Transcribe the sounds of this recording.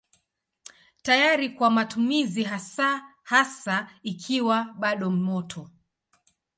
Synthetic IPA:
tajaɾikwamatʰumiziɦasahasaikʰiwaɓaɗɔm̩mɔtʰɔ

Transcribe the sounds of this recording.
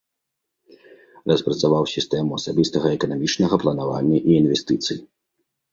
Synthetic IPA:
rɐspɾɐt̪savawsʲist̪ɛmuɐsabʲist̪ɐɣɐɛkɐnamʲit͡ʂnɐɣɐplˠɐnava̰nʲːɐʔiːnvʲɛst̪ɨt̪sɨji

